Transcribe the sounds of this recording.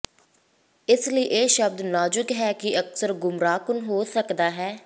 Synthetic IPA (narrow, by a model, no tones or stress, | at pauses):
ɪsləiːʔeːʃəb̚d̪naːd͡ʒʊɡɦɛːkɪəksəɾɡʊmɾaːkʊnɦoːsəkd̪aːɦɛː